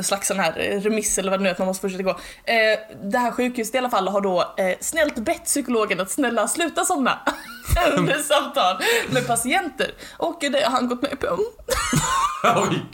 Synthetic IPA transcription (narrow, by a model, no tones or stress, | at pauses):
slaksɔnahæːɾɾɛmɪsːɛləɾvadɛnʉːat̪manmɔst̪fʊʂɛt̪ːaɡoː | d̪ɛɦæːɾɧʉ̟ːkhʉːsət̪ɪalːafalːɦaɖɔsnɛlt̪bɛt̪ːsʏkʊloːɡənat̪snɛlːaslʉ̟ːt̪asɔnːa̰ɛɛsamt̪ʰɑːlmɛd̪pʰasɪɛnt̪ə̰ɾʔɔkd̪ɛɦanɡɔt̪mɛ̰pʰœm